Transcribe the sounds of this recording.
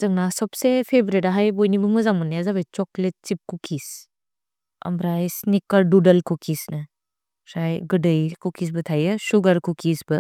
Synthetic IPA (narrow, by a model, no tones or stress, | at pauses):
zɐŋnasɔpsepʰebɾeɾaɦajbɔjnibɐmɐzamɔnːejazabajt͡ʃɔklet̚t͡ʃip̚kukʰis | ɐ̰mbɾajsnikɐɾdudɐlkukʰisnɐ | sajɡɯdɐjkukʰis̬bɐtʰajɯsuɡɐɾkukʰisbɐ